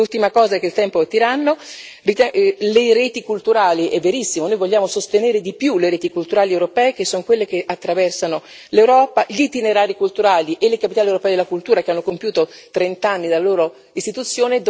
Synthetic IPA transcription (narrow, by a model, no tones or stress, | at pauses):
ult̪imakɔːzakeilt̪ɛmpot̪iɾanːo | rit̪ɛleɾeːt̪ikult̪uɾaːliʔɛvːeɾisːimonoːjvoʎːaːmosost̪eneːɾed̪ipjuleɾeːt̪ikult̪uɾaːliewɾopɛːekesːoŋkwelːek̟eʔat̪ːɾavɛrsano | lewɾɔːpaʎit̪ineɾaːɾikult̪uɾaːliʔelekapit̪aliewɾopɛːd̪elakult̪uːɾakeanːokompjuːt̪ot̪ɾent̪anːid̪alːaloːɾo | ist̪it̪ut̪sːjoːned̪